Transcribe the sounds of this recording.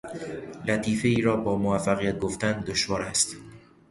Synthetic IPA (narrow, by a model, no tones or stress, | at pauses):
læt̪ʰiːfeiːɾɒːbɒːmoæfːæɣijæt̪̚ɡoft̪ænd̪oʃvɒːɾæst̪